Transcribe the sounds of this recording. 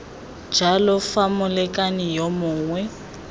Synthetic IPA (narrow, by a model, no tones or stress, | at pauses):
d̥d͡ʒʱalɔfamʊlɛkʼanɪjɔmʊːŋwɛ